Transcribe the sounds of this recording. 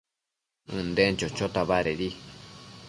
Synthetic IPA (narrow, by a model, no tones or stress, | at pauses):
ɨ̃nd̪ent͡ʃot͡ʃot̪aβaɾeɾi